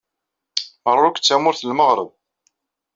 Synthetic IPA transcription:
mərˤːʊkʷt͡sːæmʊɾθəlməʁɾə̰ð

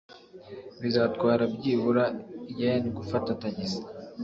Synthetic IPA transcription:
βizaːtɡwaːɾab̚ɟiːβuɾaijajaniɡufatataɲiza

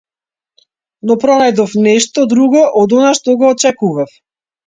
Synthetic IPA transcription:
nɔpɾɔnajd̪ɔfnɛʃt̪ɔd̪ɾuɡɔʔɔd̪ɔnaʃt̪ɔɡɔːt͡ʃɛkuvaf

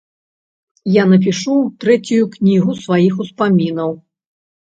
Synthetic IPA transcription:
janɐp̬ʲiʂuwt̪ɾɛt͡sʲujuknʲiɣusvajixuspamʲinɐw

